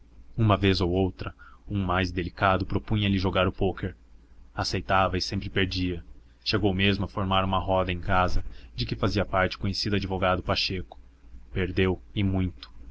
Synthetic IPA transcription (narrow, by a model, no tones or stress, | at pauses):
ũmɐvezowowt̪ɾɐũmajzd̪elikad̪ʊpɾopũɲɐlɪʒoɡaɾʊpokeɾasejt̪avɐɪsẽmpɾɪpeɾd͡ʒiɐ | ʃeɡowmezmʊɐfoɾmaɾũmɐɦɔd̪ɐẽj̃kazɐd͡ʒɪkɪfaziɐpaɾt͡ʃɪ̥kõɲesid̪ʊad͡ʒivoɡad̪ʊpaʃekʊ̥ | peɾd̪ewɪmũj̃t̪ʊ̥